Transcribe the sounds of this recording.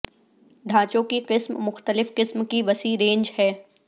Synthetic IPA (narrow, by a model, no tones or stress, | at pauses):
ɖʱaːt͡ʃõkiqɪsmmʊxt̪əlɪfqɪsmkiʋɐsiːɾẽːnd͡ʒhɛː